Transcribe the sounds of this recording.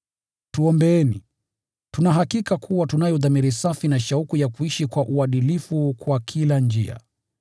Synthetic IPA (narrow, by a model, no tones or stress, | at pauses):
tuɔmbɛɛnḭ | tunaɦakikakʰuwatunajɔðamiɾisafinaʃaukujakuiʃikwaʔuaɗilifukwakʰiland͡ʒia̰